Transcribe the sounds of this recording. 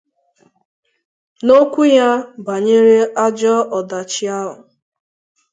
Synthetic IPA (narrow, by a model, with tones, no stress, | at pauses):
no˦kʷu˦ja˦ba˨ɲe˦ɾe˦a˦d͡ʒɔ˦ɔ˨da˨t͡ʃɪ˦a˦lʊ˨